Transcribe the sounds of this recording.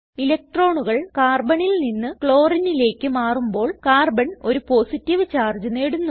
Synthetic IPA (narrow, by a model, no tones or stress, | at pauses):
ilɐk̚ʈro̞ːɳuɣɐɭkaːrbɐɳilninːɨkɭo̞ːrinile̞ːkʲːɨmaːrumbo̞ːɭkaːrbɐno̞ɾupo̞ːsitːiʋɨt͡ɕaːrd͡ʑɨne̞ːɽunːu